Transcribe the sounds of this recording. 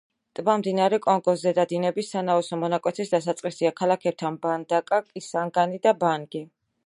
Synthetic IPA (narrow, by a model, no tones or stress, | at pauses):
t̪ʼbamd̪inaɾɛkʼɔŋɡɔsːɛd̪ad̪inɛbisːanaɔsɔmɔnakʼwɛt̪ʰisd̪asat̪sʼqʼisiakʰalˠakʰɛb̚t̪ʰanband̪akʼakʼisaŋɡanid̪abaŋɡi